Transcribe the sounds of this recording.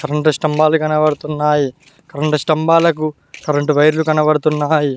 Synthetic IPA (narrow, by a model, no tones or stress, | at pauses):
kɐɾɐɳʈɐsʈɐmbaːlukɐnɐʋɐɽut̪unːaːji | kʰɐɾɐɳʈɐsʈɐmbaːlɐku | kɐɾɐɳʈuʋɐjɾlukɐnɐʋɐɽut̪unːaːji